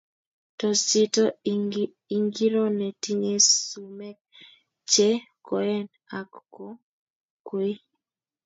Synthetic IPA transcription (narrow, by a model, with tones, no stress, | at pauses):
tɔ˨sɪ˦tɔ˦ | i˨ŋɡi˦ɾɔ˦nɛ˨ti˦ɲe˦su˨mɛ˦k̚ | t͡ʃe˦ | kɔ˨ɛ˦n | a˨kkɔ˦ | kwi˦